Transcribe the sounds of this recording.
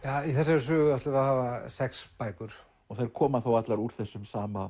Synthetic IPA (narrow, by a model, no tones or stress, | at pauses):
jaːiθɛsaɾʏsʏːɣʏat̪lɪvaðhaːvasɛkspajkʏɾ̥ | ɔɣθajɾ̥kʰɔːmaθawat̪laɾuɾ̥θɛsːʏmsaːma